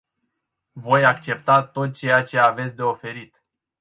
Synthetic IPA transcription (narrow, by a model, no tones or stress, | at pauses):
vo̞jakt͡ʃe̞pt̪at̪o̞t̪̚t͡ʃe̞jat͡ʃe̞avet̪sʲd̪e̞o̞fe̞ɾit̪